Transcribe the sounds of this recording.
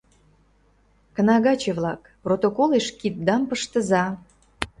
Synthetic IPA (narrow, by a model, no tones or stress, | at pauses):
kə̆nɑɣɑt͡ɕĕβlɑk | prot̪okoleʃkit̪̚d̪ɑmpəʃt̪əzɑ